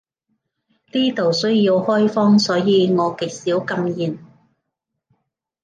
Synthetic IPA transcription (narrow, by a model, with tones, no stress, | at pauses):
t̪iː˥t̪o˨˩wsɵ˥ɥjiː˧whɔː˥jfɔː˥ŋsɔː˨˥jiː˨˧ŋɔː˨˧kɪ˨˩k̚siː˨˥wkɐ˧mjiː˨˩n